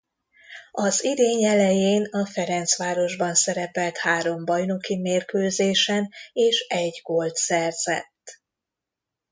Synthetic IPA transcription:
ɒzid̪eːɲɛlɛjeːnɒfɛɾɛnt̪sʋaːɾo̞ʒbɒnsɛɾɛpɛlt̪haːɾo̞mbɒjno̞kimeːrkøːzeːʃɛneːʃɛɟɡolt̪sɛrz̥ɛ̰t̪ː

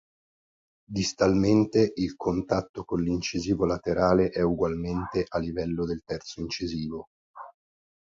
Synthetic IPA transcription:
d̪ist̪alment̪eʔilkʰont̪at̪ːokonlint͡ʃiziːvolat̪eɾaːleʔɛuɡwalment̪eʔalːivɛlːod̪elt̪ɛrt̪soint͡ʃiziːvo

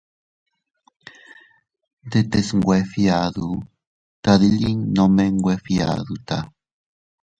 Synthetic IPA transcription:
d̪et̪esŋɡwʷefiaðu | t̪aðiʎiŋnomeŋɡwefia̰ðut̪a̰

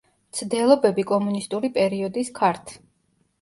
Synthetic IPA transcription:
t̪sʰd̪ɛlˠɔbɛbikʼɔmunist̪ʼuɾipʼɛɾiɔd̪iskʰaɾt̪ʰ

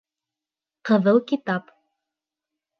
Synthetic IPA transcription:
qɤ̆ðɤlˠkit̪ɑp

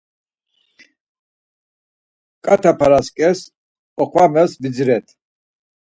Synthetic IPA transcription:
kʼat̪ʰapʰaɾaskʼɛs | ɔqʰwamɛsvid͡zɾɛt̪ʰ

